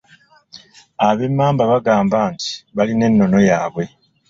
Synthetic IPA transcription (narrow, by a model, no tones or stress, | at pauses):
aβe̞mːaːmbaβaɡaːmbaːnti̥βaline̞nːo̞no̞jaːβwe̞